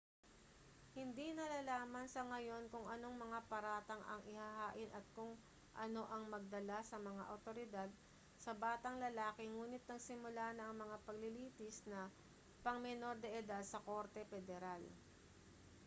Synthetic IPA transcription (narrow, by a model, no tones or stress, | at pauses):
hɪnd̪inɐlalaːmɐnsɐŋɐjo̞nkʊŋʔɐno̞ŋmɐŋapɐɾaːt̪ɐŋʔɐ̰ŋʔɪhahaːʔɪnʔɐt̪̚kʊŋ | ʔɐno̞ʔɐŋmɐɡ̚d̪ɐlasɐmɐŋaʔɐwt̪o̞ɾɪd̪ad̪̚ | sɐbaːt̪ɐŋlɐlaːkɛŋuːnɪt̪̚nɐɡsɪmʊlanɐʔɐŋmɐŋapɐɡ̚lɪliːt̪ɪsnɐ | pɐŋmɛno̞ɾd̪ɐʔɪd̪ad̪̚sɐko̞ɾt̪ɛfɛd̪ɛɾal